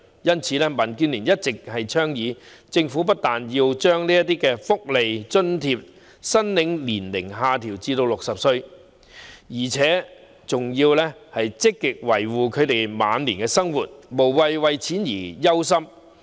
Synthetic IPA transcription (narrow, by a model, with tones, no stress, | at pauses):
jɐ˥nt͡sʰiː˨˧lɛː˥mɐ˨˩nkyː˧nliː˨˩njɐ˥t̚t͡sɪ˨k̚hɐ˨jt͡ʃʰœː˥ŋjiː˨˧ | t͡sɪ˧ŋfu˨˥p̬ɐ˥t̚t̪aː˨njiː˧wt͡ʃœː˥ŋliː˥jɐ˥t̪iː˥kɛː˧fʊ˥k̚le˨jt͡sɵ˥nt̪ʰiː˧p̚ | sɐ˥nlɪ˨˥ŋliː˨˩nlɪ˨˩ŋɦaː˨˧t̪ʰiː˨˩wt͡siː˧t̪o˧wlʊ˨k̚sɐ˨p̚sɵ˧ɥ | jiː˨˩t͡sʰɛː˨˥ | t͡sʊ˨ŋjiː˧wlɛː˥hɐ˨jt͡sɪ˥kːɪ˨k̚wɐ˨˩jwuː˨kʰɵ˨˧ɥt̪e˨jma̰ː˨˧nliː˨˩nkɛ˧sɐ˥ŋwuː˨t̚mo˨˩wːɐ˨jwɐ˨jt͡sʰiː˨˥njiː˨˩jɐ˥ws̬ɐ˥m